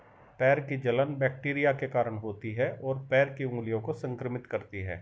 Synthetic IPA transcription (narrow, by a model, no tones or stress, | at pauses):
pɛːɾkid͡ʒɐlənbɛːk̚ʈiːɾijakekaːɾəɽ̃ɦoːt̪iɦɛʔɔːɾpɛːɾkiũːlijõkosɐ̃ŋkɾəmɪt̪kɐɾt̪iɦɛ̰ː